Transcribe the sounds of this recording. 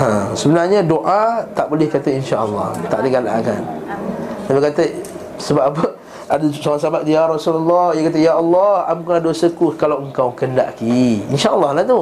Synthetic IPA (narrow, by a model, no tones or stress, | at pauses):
ãsəbənarɲə̃doʔat̪aʔbolɪhkat̪əinʃaʔəlːɑ̰ht̪a̰ʔdəɡala̰ŋa̰n | t̪abikat̪ə | səbapapə | adəsoɣaŋsabat̪̚dijaɾasulalːɔijakat̪̬əjaʔɑlːɑhamukunadosəkukalawəŋkawkənda̰ʔkiinʃaʔəlˠːɑhlat̪u